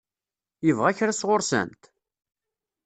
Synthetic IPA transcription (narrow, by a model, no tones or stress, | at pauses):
jəvʁæçɾæsʁʊɾsæ̰nt̪